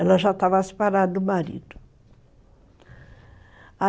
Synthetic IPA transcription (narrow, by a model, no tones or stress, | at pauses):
ɛlɐʒat̪avase̥paɾad̪ɐd̪ʊmaɾḭd̪ʊ̥ | a